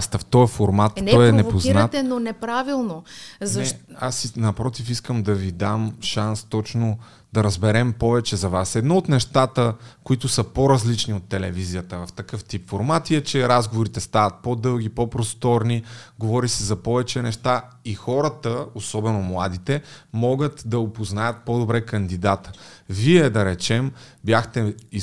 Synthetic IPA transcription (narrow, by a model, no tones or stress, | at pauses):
st̪ɐft̪ɔjɛfoɾmat̪njɛnɛvpoznat̪ɛnonɛpɾavilˠnozɐɛasinɐpɾɔt̪ifiskəmd̪ɐvid̪amʃanst̪ɔt͡ʃno | d̪ɐɾəzbɛɾɛmpɔvɛt͡ʃɛzɐvasɛd̪nɔot̪nɛʃt̪at̪əkoit̪ʊsəpoɾɐzlit͡ʃniot̪ːɛlɛvizijət̪əvɐft̪ɐkɤft̪ipfoɾmat̪iɛt͡ʃɛɾazɡovʊɾit̪ɛst̪avɐt̪̚pod̪ɤlˠɡ̟ipɔpɾost̪ɔɾniɡovɔɾisɛzɐpɔvɛt͡ʃɛnɛʃt̪a | ixɔɾət̪əosɔbɛnomlˠad̪it̪ɛmɔɡət̪d̪ɐopoznajət̪̚pɔd̪obɾɛkɐnd̪id̪at̪ə̥viɛd̪ɐɾɛt͡ʃɛmbjaxt̪ɛi